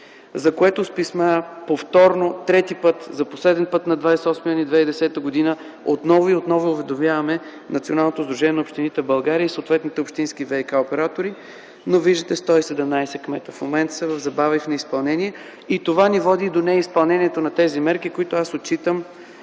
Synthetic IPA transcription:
zɐkoɛt̪ʊspismapoft̪ɔɾnot̪ɾɛt̪ipɤt̪zɐposlɛd̪ɛnpɤt̪nɐd̪vajsɛɔsmiɔnid̪vɛid̪ɛsɛt̪əɡod̪inə | ot̪nɔvoiot̪nɔviʊvɛd̪omjavɐmɛ | nɐ̰t̪sionalˠnot̪ozd̪ɾuʒɛnʲiɛnɐopʃt̪init̪ɛvbɐlˠɡaɾiəisot̪vɛt̪nit̪ɛopʃt̪inskivɛjkaopɛɾat̪oɾi | noviʒd̪ət̪ɛst̪ɔisɛd̪ɛmnajsɛkmɛt̪əfmomɛnt̪səvəvzɐbavifnɛispɐlˠnɛniɛ | it̪ovanivɔd̪iːd̪onɛispɐlˠnɛniɛt̪onɐt̪ɛzimɛɾkikoit̪oasot̪̚t͡ʃit̪əm

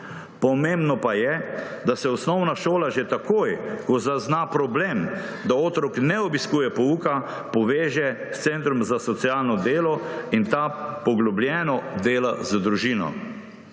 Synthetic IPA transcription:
pɔmẽmbnɔpajɛ | d̪asɛɔsnɔwnaʃoːlaʒet̪akoːjkɔzaznapɾɔbleːm | d̪aoːt̪ɾɔknɛɔbiskuːjɛpɔuːka | pɔʋeːʒɛ | st̪sent̪ɾɔmzasɔt̪sijaːlnɔd̪eːlɔint̪apɔɡlɔbljɛːnɔd̪eːlazd̪ɾuʒiːnɔ̰

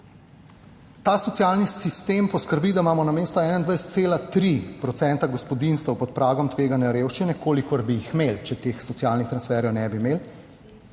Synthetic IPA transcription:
t̪asɔt̪sijalnisist̪empɔskəɾbid̪amaːmɔnameːst̪ɔɛːnand̪ʋajsɛ̥t̪seːlat̪ɾipɾɔt̪sɛnt̪aɡɔspɔd̪inst̪ɔwpɔt̪pɾaːɡɔmt̪ʋeːɡanjaɾeːwʃt͡ʃinɛkoːlikɔɾbijixmelt͡ʃɛt̪exsɔt̪sialnixt̪ɾansfɛɾjɔwnɛbimeːl

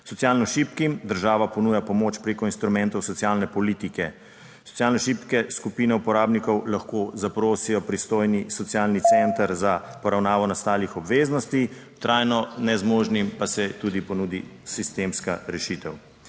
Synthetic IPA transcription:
sɔt̪jaːlnɔʃiːpkimd̪əɾʒaːʋapɔnuːjapɔmoːt͡ʃpɾekɔinst̪ɾumɛnt̪ɔwsɔt̪sjalnɛpɔlit̪ikɛ | sɔ̥t̪sijaːlnɛʃipkɛskupiːnɛupɔɾaːbnikɔwlaxkozapɾoːsijɔpɾist̪oːjnisɔt̪sijalnit̪sɛnt̪əɾzapɔɾawnaːʋɔnast̪aːlixɔbʋeːznɔst̪i | t̪ɾʔaːjnɔnɛzmoːʒnimpasɛt̪uːd̪ipɔnud̪ḭsist̪eːmskaɾɛʃit̪ɛw

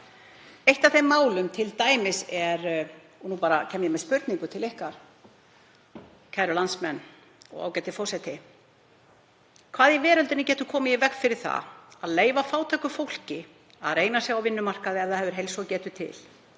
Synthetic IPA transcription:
ejht̪aθejmːaːwlʏmt̪ʰɪlt̪aːjmɪsɛɾ | ɔnuːpaːɾacʰɛmjɛmɛðspʏɾt̪niŋkʏt̪ʰɪlehkaɾ̥ | cʰajɾʏlansmɛnː | ɔ̰ɣa̰wcɛt̪ɪfɔsɛjt̪ɪ | kʰvaːðjɛvɛːɾʏlt̪ɪnɪcɛːt̪ʏkʰɔːmɪivɛkfɪɾɪɾ̥θa̰aðleːjvafaːwt̪ʰajkʏfowl̥cɪ | a̰ðreːjnasjaawvɪnːʏmar̥kaðɪɛvðaðhɛvʏɾ̥ɦejlsɔcɛːt̪ʏt̪ʰɪ̰l

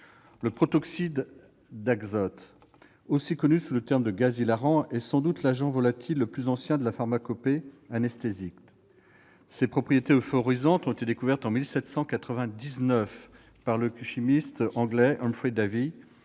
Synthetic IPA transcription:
ləpχɔt̪ɔksid̪ː | aɡzɔt̪ | osikɔnysulət̪ɛʁmd̪əɡazilaʁɑ̃ɛsɑ̃d̪ut̪laʒɑ̃vɔlat̪ʰilːəplyzɑ̃sjɛ̃d̪əlafaʁmakɔpeanɛst̪ezik̪ | sepχɔpχijet̪eofɔʁizɑ̃t̪ɔ̃t̪et̪ed̪ekuvɛʁt̪ɑ̃milsɛt̪sɑ̃kat̪χəvɛ̃d̪iznœf | paʁləʃimist̪ɑ̃ɡlɛʔɔ̃mfχid̪avi

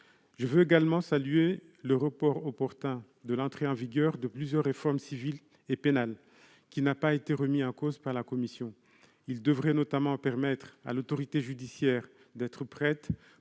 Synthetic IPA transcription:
ʒəvøeɡalmɑ̃salye | ləʁəpɔʁɔpɔʁt̪ɛ̃ | d̪əlɑ̃t̪χeɑ̃viɡœʁd̪əplyzjœʁːefɔʁmsivil | epenal | kʲinapaet̪eʁəmiɑ̃kozpaʁlakɔmisjɔ̃ | ild̪əvʁɛnɔt̪amɑ̃pɛʁmɛt̪χa̰lot̪ɔʁit̪eʒyd̪isjɛʁ | d̪ɛt̪χəpχɛt̪

